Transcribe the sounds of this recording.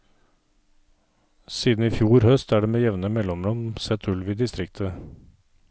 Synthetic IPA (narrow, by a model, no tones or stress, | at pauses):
siːd̪n̩iːfjuːɾhœst̪æːɖeːmeːjɛʋnəmɛlɔmɾɔmsɛt̪ʰʉlʋiːd̪ɪst̪ɾɪkt̪ʰə